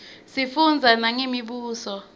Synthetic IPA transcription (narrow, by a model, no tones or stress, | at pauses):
sifund͡zʱanaŋemiɓuːsɔ